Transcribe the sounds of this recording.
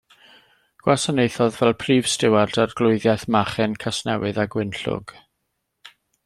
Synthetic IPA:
ɡ̥wasanejθɔðvɛlˠpʰriːv̥stɪwardarɡlˠʊɨðjɛθmaχɛnkʰasnɛ̰wɨðaɡwɪnɬʊ̰ɡ̥

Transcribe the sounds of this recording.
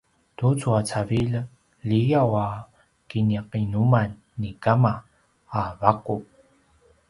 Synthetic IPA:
tut͡suat͡savil | ʎijawa | kiniaqinumanːikamaː | vaku

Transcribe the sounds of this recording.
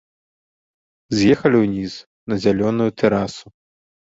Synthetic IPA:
zjɛxɐlʲiwnʲis | nɐzʲalʲɔnujut̪ʰɛɾasu

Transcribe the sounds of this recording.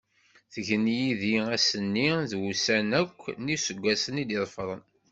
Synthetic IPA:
θəʝənjiðiæsənːiðwusænækʷːnisəɡʷːæsənid̪iðˤfɾˤə̰n

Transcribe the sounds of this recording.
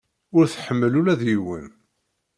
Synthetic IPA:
ʊɾθħəmːəlulæðjiwə̰n

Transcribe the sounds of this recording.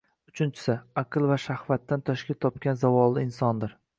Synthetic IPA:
ʊt͡ʃʰɪnt͡ʃʰɪ̥sɪaqʰɨlˠvaʃahvat̪ːant̪ʰɒʃkʲat̪ʰɒp̚kʲanzavɒlˠːɪɪnsɒnd̪ɪɾ

